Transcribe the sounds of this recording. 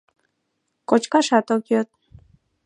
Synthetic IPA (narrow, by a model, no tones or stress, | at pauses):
kot͡ɕkɑʃɑt̪okjøt̪̚